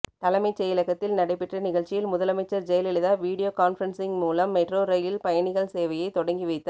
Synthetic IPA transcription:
t̪ɐlɐmɐɪt͡ʃːɐjɪlɐɣɐt̪ːɪlnɐɽɐɪpːɛʈrɐnɪɣɐɭt͡ʃːɪjɪlmʊðɐlɐmɐɪt͡ʃːɐɾd͡ʒɛjɐlɪɭɯðaːʋiːɽɪjoːkaːnfɐɾɐnsɪŋmuːlɐmːɐʈroːɾɐjɪlpɐjɐɳɪɣɐɭseːʋɐjɐɪt̪ɔɽɐŋɡiʋɐɪt̪ːɐ

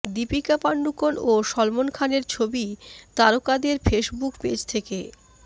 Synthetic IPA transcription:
d̪ipikapaɳɖukonoʃɔlmonkʰaneɾt͡ɕʰobit̪aɾokad̪eɾfeʃbukped͡ʑt̪ʰeke

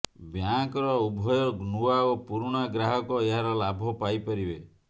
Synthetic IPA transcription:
bjakɔɾɔubʱɔjɔɡnuwaopuɾɽ̃aɡɾaɦɔkɔeɦaɾɔlabʱɔpajpɔɾibe

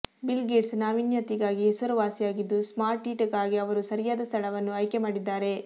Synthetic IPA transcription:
bilɡeːɖsnaːʋinjɐt̪iɡaːɡiɦesuɾɐʋaːsijaːɡid̪ːusmaːɾʈːiːʈɐɡaːɡiɐʋɐɾusɐɾijaːd̪ɐst̪ʰɐɭɐʋɐnːuɐjkemaːɽid̪ːaːɾe̞

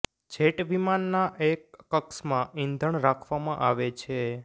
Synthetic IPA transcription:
d͡ʒeʈʋimanːaʔekːəksmãind̪ʱəɳɾakʰʋamãʔaʋet͡ʃʰe

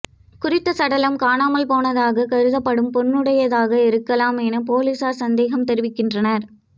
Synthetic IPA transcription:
kʊrɪt̪ːɐsɐɽɐlɐmkaːnaːmɐlpoːnɐðaːɣɐkɐɾɯðɐpːɐɽɯmpɔnːɯɽɐjɐðaːɣɐɪɾɯkːɐlaːmenɐpoːliːsaːɾsɐnd̪eːɣɐmt̪ɛɾɪʋɪkːɪndrɐnɐɾ

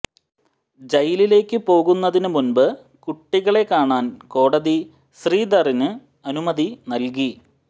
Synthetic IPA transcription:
d͡ʑɐjilile̞ːkʲːɨpo̞ːɣunːɐðinɨmunbɨ | kuʈːiɣɐɭe̞kːaːɳaːnko̞ːɽɐði | ɕriːd̪ɐrinɨ | ɐnumɐðinɐlk̬i

